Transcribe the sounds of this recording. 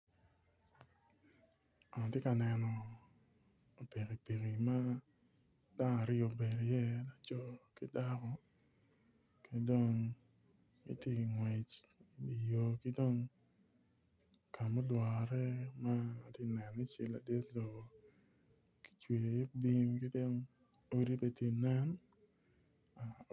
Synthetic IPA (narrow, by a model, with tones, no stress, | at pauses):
a˨n˨te˦ka˨nɛ˨nɔ˨ | o˨pi˨ki˨pi˨ki˨ma˦ | da˦ŋ˨a˨ɾɪ˦o˨be˨ɾjɛ˦la˨t͡ʃɔ˦ki˦da˦kɔ˨ | kʰe˨do˦ŋ | ḭ˨˦tje˦˨ŋwe˨t͡ʃ | i˦i˨jo˨ki˦do˦ŋ | kʰa˨mo˦lwɔ˨ɾɛ˦maː˦˨te˦˨nɛ˨ni˦t͡ʃɪ˨la̰˨de˦t̪lo˨ | ki̥˦t͡ʃwe˨je˦bi˦mkɪ˦do˦ŋ | o˦ɾi˦pe˦tje˦nɛ˦n | a˨